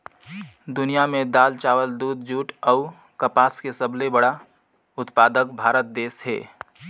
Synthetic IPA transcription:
d̪ʊnijamẽd̪aːlt͡ʃaːwəld̪uːd̪̚d͡ʒuːʈɔʊ | kəpaːskesəbʱlebəɽa | ʊt̪paːd̪əkbʱaːɾət̪̚d̪eːsɦḛː

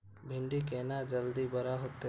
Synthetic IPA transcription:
bʱɪɳɖikeːnad͡ʒəld̪ibəɾaɦot̪ːe

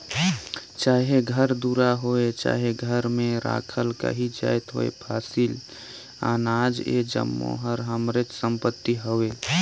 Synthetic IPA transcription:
t͡ʃaːɦeɡʱəɾd̪uːɾaɦoet͡ʃa̰ːɦeɡʱəɾmẽɾa̰ːkʰəlka̰ɦid͡ʒa̰ːjt̪ɦo̰ːḛpʰaːsil | aːnaːd͡ʒḛd͡ʒə̰mːo̰ɦəɾɦəmɾɪt͡ʃsəmpət̪ːiɦowe

